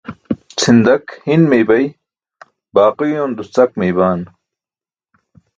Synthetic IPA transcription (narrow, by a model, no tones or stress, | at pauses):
t͡sʰind̪ɐkhinmejbɐj | baːqujoːnd̪ust͡sɐkmejbaːn